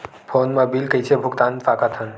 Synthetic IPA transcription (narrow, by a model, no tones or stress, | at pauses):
pʰonmãbilkəit͡ʃʰebʱʊkt̪ãnfakat̪ʰən